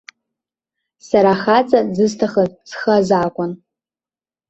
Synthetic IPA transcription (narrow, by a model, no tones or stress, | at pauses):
saɾaχat͡sʼazɨztʰaχazsχazaːkʷʼʊn